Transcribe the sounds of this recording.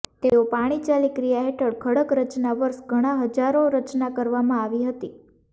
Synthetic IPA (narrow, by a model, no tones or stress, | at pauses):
t̪eopaɽ̃it͡ʃalikɾijaɦeʈəɽkʰəɽəkɾət͡ʃnaʋəɾʃɡʱəɽ̃ãɦəd͡ʒaɾoɾət͡ʃnakəɾʋamãaʋiɦət̪i